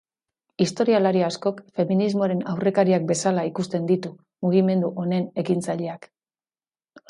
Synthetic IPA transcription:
ist̪o̞ɾialaɾiasko̞kfe̞minizmo̞aɾe̞nawre̞kaɾiak̚be̞salaikust̪e̞nd̪it̪u | muɣ̞ime̞nd̪uʔo̞ne̞ne̞kint͡saʎe̞ak

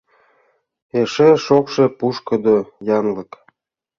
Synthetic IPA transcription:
eʃeʃokʃepuʃkɤ̆d̪ojɑnlɤk

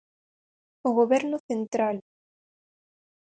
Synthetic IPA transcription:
uɣuvɛɾnuθent̪ɾal

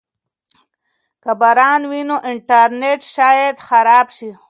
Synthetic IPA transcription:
kabaɾɑnwinoʔɪɳʈaɾneʈʃɑjad̪xaɾɑːbʃi

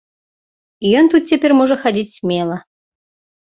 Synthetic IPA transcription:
iont̪ut̪̚tʲːepʲeɾʲmoʐəxadʲitʲsʲmʲelˠə

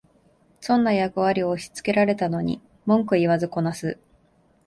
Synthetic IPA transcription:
sõ̞nːajakɯ̟βaɾʲio̞ːɕi̥t͡sɨ̥ke̞ɾaɾe̞t̪ano̞ɲ̟ḭ | mõ̞ŋkɯ̟iβazɨko̞nasɨ

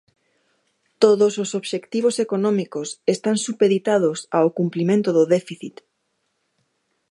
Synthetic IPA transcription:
t̪oðososoβʃekt̪iβ̞osekonɔ̃mikosest̪ansupeðit̪aðosaokumplimẽnt̪oðʊðɛfiθit̪

